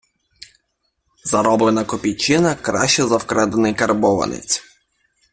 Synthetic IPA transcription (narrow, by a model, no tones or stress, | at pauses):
zɐɾɔblenɐkɔpʲijt͡ʃɪnɐkɾɑ̰ʃt͡ʃɛzɐwkɾɛd̪ɐnɪjkɐrbɔʋɐ̰nḛt͡sʲ